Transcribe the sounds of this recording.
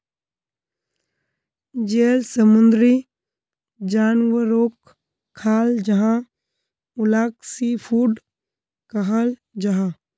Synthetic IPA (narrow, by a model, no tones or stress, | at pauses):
d͡ʒeːlsəmʊ̃nd̪ɾi | d͡ʒaːnwəɾoːkʰː | aːld͡ʒɐɦã | ʊlaːksipʰuːɖ | kɐɦəl | d͡ʒɐɦã